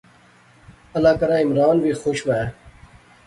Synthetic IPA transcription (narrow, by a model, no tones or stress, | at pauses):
ɐlaːkɐɾãːɪmɾaːnʋiːxoɕʋa